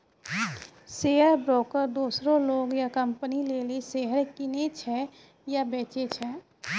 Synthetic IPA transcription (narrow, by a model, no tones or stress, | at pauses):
seːəɾbɾoːkəɾd̪uːsɾõloːɡjakɐ̃mpənileːliseɦəɾkɪnet͡ʃʰɛ | jabeːt͡ʃet͡ʃʰɛː